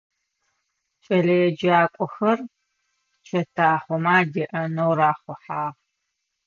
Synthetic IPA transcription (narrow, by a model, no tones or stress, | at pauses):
t͡ʃʼɐɮɐjɛd͡ʒaːkʷʼɔxɐr | t͡ʃʼʰɐtʰaːχʷɔmaːdiʔɐnowɾaːχʷɔħaːʁ